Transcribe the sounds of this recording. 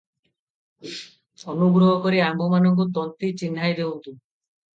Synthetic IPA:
ɔnuɡɾɔɦɔkoɾiambɔmanɔŋk̬ut̪ɔnt̪it͡ɕinːajd̪ewnt̪u

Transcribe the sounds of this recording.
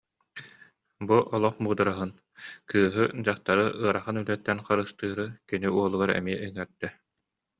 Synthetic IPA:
buʔɔlˠɔχbuːd̪aɾaɦɯn | kɯːɦɯd͡ʑaχt̪aɾɯʔɯɐɾaχɯnylɛt̪ːɛnχaɾɯst̪ɯːɾɯkiniuɔlˠuɡaɾɛ̰miɛɯŋɛɾd̪ɛ

